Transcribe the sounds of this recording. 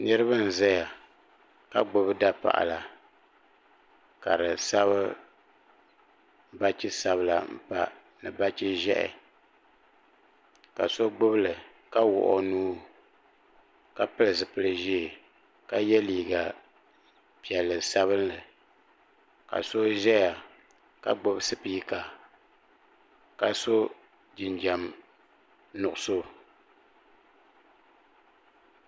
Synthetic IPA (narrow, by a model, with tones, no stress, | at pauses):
nɨ˦ɾɨ˦ba˦n̩˨za˦ja˨ | ka̰˦ɡ͡bʊ˦bɨ˦da˦pa̰˨ʔa̰˨la˨ | ka˨ɾɨ˨sa˦βɨ˦ | ba˦t͡ʃɪ˦sa˦βɨ˦˨la˨m̩˨pa˦ | nɨ˨ba˦t͡ʃɪ˦ʒɛ̰˦ʔɛ̰˨ | ka̰˨so˦ɡ͡bʊ˦bɨ˦lɨ˨ | ka˦wʊ̰˨ʔɔ̰˨nuː˦ | ka˦pɨ˦lɨ˨zɨ˨pɨ˦lɨ˨ʒi˦e˨ | ka˦jɛ˦liː˨ɡa˨ | pi˨ɛ˨lːɨ˨sa˦βɨ˦nlɨ˨ | ka̰˨so˦ʒɛ˦ja˨ | ka˨ɡ͡bo˦bsɨ˦piː˦ka˨ | ka˨so˦ | d͡ʒi˨nd͡ʒa˨m | nʊ˨ʔʊ˨so˦